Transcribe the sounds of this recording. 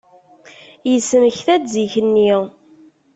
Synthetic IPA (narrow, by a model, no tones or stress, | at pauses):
jəsːəməçθædziçənːi